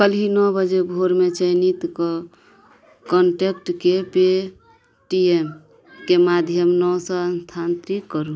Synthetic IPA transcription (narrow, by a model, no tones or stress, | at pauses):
kəlinɔbəd͡ʒebʱoɾmet͡ʃəɪnit̪kɔ | kɔɳʈek̚ʈkepe | ʈiem | kemad̪ʱjəmnɔsɔənst̪ʰant̪ɾikːəɾu